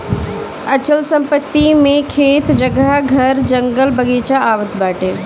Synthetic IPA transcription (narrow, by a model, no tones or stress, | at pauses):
ət͡ʃəlsə̃mpət̪ːimẽkʰeːt̪d͡ʒəɡaəɡʱəɾd͡ʒəŋɡəlbəɡeːt͡ʃaaːʋət̪baːʈeː